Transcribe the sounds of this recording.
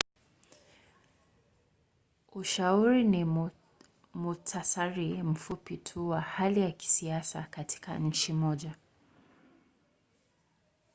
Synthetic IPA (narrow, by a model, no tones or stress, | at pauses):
uʃauɾini | mutʰasaɾim̩fupitʰuwahalijaki̥siasa̰katʰi̥ka̰ɲ̩t͡ʃimɔʄa